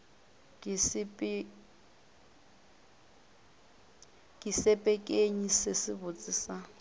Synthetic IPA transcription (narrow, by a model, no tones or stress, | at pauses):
ksp | kʼisɛpʼɛkʼeɲisesɪβʊt͡sʼisa